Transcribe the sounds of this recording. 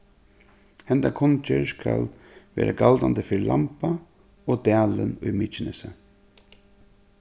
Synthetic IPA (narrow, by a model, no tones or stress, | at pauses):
hɛnd̪akʰɔnt͡ʃəskʰa̰l | ʋḛːɾʔaɡald̪and̪əfɪɹlampa | oːd̪æːlənʊjmiːt͡ʃɪnəsə